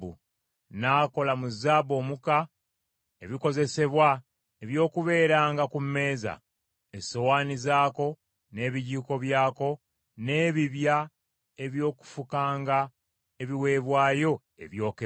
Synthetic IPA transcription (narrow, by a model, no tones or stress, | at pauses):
ṵ | naːko̞lamuzaːbo̞ːmuka | e̞βiko̞ze̞se̞βwa | eβjo̞ːkuβe̞ːɾaːŋɡakumːe̞ːza̰ | eso̞waːnizaːko̞ | ne̞ːβiɟiːko̞βjaːko̞ | ne̞ːβiβja | e̞βjo̞ːku̥fukaːŋɡa | eβiwe̞ːβwaːjo̞ | e̞̰βjo̞ːke